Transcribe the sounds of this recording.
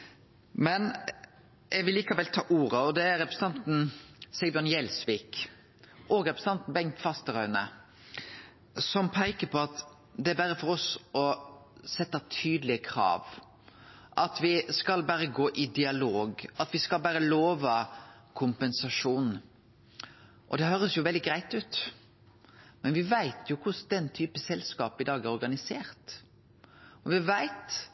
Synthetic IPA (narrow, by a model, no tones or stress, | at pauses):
mɛn | ʔɛɡʋɪlːiːkɑʋɛlt̪ʰɑːʔuːɾəɔd̪ɛæɾɛpɾəsn̩ɑnt̪n̩sɛɡbɔnjɛlsʋiːk | ʔɔɡɾɛpɾəs̩n̩ɑnt̪n̩bɛŋt̪fɑst̪əɾœʏnə | sɔmpʰæɪkəpʰɔɑt̪ | d̪ɛæɾbæɾəfɔɾɔsɔsɛt̪ːɑt̪ʰyːd̪lɪəkʰɾɑ̰ːʋ | ʔɑt̪ʋɪskɑlbæɾəɡoːʔɪd̪ɪɑloːɡɑt̪ʋɪskɑlbæːɾəloːʋɑkʰʊmpɛnsɑʂuːn | ʔɔ̰d̪ɛɦøːɾəsjʊʋɛld̪ɪɡɾæɪt̪ʉːt̪ | mɛnʋɪʋæɪt̪ʰjʊkʰʊsd̪ɛnːt̪ʰyːpəsɛlskɑːpɪd̪ɑːɡæɾɔɾɡɑnɪseːɾt̪ | ɔʋɪʋæɪt̪